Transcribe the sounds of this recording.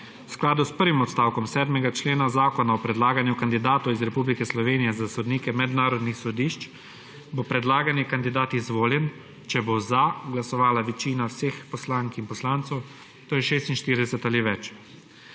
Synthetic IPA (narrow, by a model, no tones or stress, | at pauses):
wsklaːd̪uspəɾʋimɔt̪st̪aːwkɔmsɛːd̪mɛɡat͡ʃleːnazaːkɔnaɔpɾɛd̪laːɡanjukand̪id̪aːt̪ɔwizɾɛpublikɛslɔʋeːnijɛzasɔd̪niːkɛmɛd̪naːɾɔd̪nixsɔd̪iːʃt͡ʃ | bopɾɛd̪laːɡanjɛkand̪id̪aːt̪izʋoːljɛn | t͡ʃɛbozaɡlasɔʋaːlaʋɛt͡ʃiːnawseːxpɔslaːŋkinpɔslaːnt̪sɛw | t̪oːjɛʃeːst̪inʃt̪iːɾd̪ɛsɛt̪aliʋɛt͡ʃ